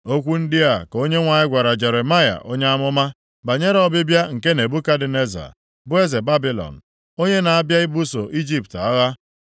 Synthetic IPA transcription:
o˦kʷu˦n̩˦dɪ˦a˨ko˦ɲe˦ŋʷa˨ɲɪ˦ɡʷa˨ɾa˨d͡ʒe˨ɾe˨ma˦ja̰˨ʔo˦ɲe˦a˦mʊ˦ma˦ | ba˨ɲe˦ɾɔ˨bɪ˦bja˦ŋ̩˨ke˦ne˨bu˦ka˦dɪ˨ne˦za̰˨ | bʊ˦e˦ze˨ba˦bi˦lɔ̰˨n̩˨ | o˦ɲe˦na˨a˦bja˦i˦bu˦so˨ʔi˦d͡ʒi˦p̚ta˦ɣa˦

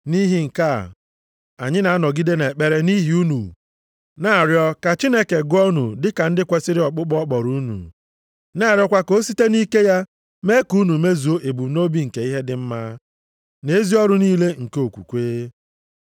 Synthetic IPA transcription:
ni˦ɦi˦ŋ̩˨ka̰˦˨ | a̰˨ɲɪ˦na˨a˦nɔ˨ɡi˦de˦ne˨k͡pe˨ɾe˦ni˦ɦi˨˦u˦nṵ˨ | na˦˨ɾjɔ˦ka˨t͡ʃi˦ne˦ke˨ɡɔ˦nu˨dɪ˦ka˨n̩˦dɪ˦kʷe˦sɪ˦ɾɪ˦ɔ˨k͡pʊ˦k͡pɔ˦k͡pɔ˨ɾu˦nṵ˨ | na˦˨ɾjɔ˦kʷa˦ko˦si˦te˦ni˦ke˦ja˦ | me˦ku˦nu˨me˦zu˨o˦ʔe˨bu˨˦no˦bi˦ŋ̩˨ke˨i˦ɦe˦dɪ˦m̩˦ma˦ | ne˨˦zi˦ɔ˦ɾʊ˦niː˦le˦ŋ̩˨ke˦o˨kʷṵ˨kʷeː˦

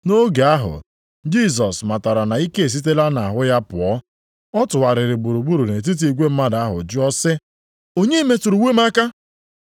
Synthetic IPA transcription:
no˦ɡe˨a˦ɦʊ̰˨ | d͡ʒi˦˨s̬ɔ˨sma˨ta˨ɾa˨na˨i˦ke˦e˨s̬i˦t̬e˦la˦na˨a˨ɦʊ˦ja˦pʊ˨ɔ˦ | ɔ˦tʊ˨wa˨ɾɪ˨ɾɪ˨ɡ͡bu˨ɾu˨ɡ͡bu˦ɾu˨ne˨t̬i˦t̬i˨i˨ɡʷe˦m̩˦ma˦da˨a˦ɦʊ̰˨d͡ʒʊ˦ɔ˦sɪ˦ | o˦ɲe˦me˨tu˨ɾu˨we˦ma˦ka˦

